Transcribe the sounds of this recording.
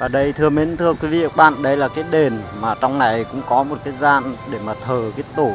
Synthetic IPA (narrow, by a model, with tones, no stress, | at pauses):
vaː˨˩ɗə˧jt̪ʰɨ˧əmi˨˥nt̪ʰɨ˧əkwi˨˦vḭ˧˨ə˧˦k̚ɓa̰ː˧˨nɗə˧jlaː˨˩kaː˨˦jɗe˨˩nmaː˨˩t͡ɕɔ˧wŋ͡mna˨˩jkʊ̰˧˥ŋ͡mkɔ˨˦mo˨˩t̚kaː˨˦jzaː˧nɗe˧˩maː˨˩t̪ʰəː˨˩ki˨˦˥t̪o˧˩